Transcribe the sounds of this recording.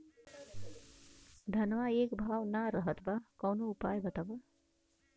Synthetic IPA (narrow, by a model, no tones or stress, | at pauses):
d̪ʱɐnʋaeːkbʱaːwnaɾəɦət̪bakɐwnoupaːjbɐt̪abɐ